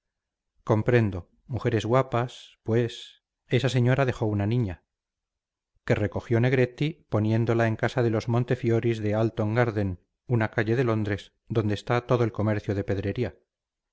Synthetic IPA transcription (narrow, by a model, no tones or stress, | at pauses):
ko̞mpɾe̞nd̪o | muxe̞ɾe̞zɣwapaspwe̞s | e̞sase̞ɲo̞ɾaðe̞xo̞unanĩɲa | ke̞re̞ko̞xjo̞ne̞ɣ̞ɾe̞t̪ipo̞njẽ̞nd̪o̞lae̞ŋkasaðe̞lo̞zmõ̞nt̪e̞fjo̞ɾizðe̞alt̪o̞ŋɡaɾðe̞n | unakaʎe̞ðe̞lo̞nd̪ɾe̞s | d̪o̞nd̪eːst̪at̪o̞ðoelko̞me̞ɾθjoð̞e̞pe̞ðɾe̞ɾia